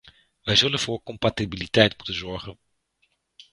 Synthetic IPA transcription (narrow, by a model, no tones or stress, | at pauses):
ʋɛjzɵlənvʊːɹkɔmpatibilitɛjtmutənzɔɹχən